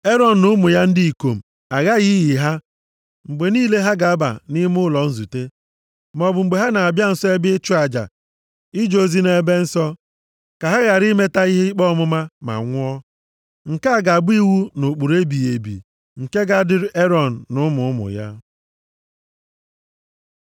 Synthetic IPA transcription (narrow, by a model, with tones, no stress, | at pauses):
e˦ɾɔ˨n̩˨nʊ˦mʊ˨ja˦n̩˦di˦i˨ko˨m̩˨ | a˨ɣa˦ɣɪ˦ɣi˨ɦa˦ | ŋ͡m̩˨ɡ͡be˨niː˦le˦ɦa˦ɡa˨a˦ba̰˨nɪ˦m˦ʊ˦lɔ˨n̩˦zu˨te˦ | m˨ɔ˨bʊ˨ŋ͡m̩˨ɡ͡be˨ɦa˦na˨a˨bja˦n̩˨sɔ˦e˦bɪ˦t͡ʃʊ˦a˨d͡ʒa̰˨ | ɪ˦d͡ʒo˨zi˦ne˨˦be˦n̩˦sɔ˦ | ka˨ɦa˦ɣa˨ɾi˦me˦ta˦i˦ɦe˦i˦k͡pɔ˦mʊ˦ma˦ma̰˨ŋʷʊ˦ɔ˦ | ŋ̩˨ka˦˨ɡa˨ɡ͡bi˦wu˦nʊ˨k͡pu˨ɾe˦bi˨e˨bḭ˨ | ŋ̩˨ke˦ɡa˦dɪ˦ɾʔe˦ɾɔ˨n̩˨nʊ˦mʊ˨ʊ˦mʊ̰˨ja̰˦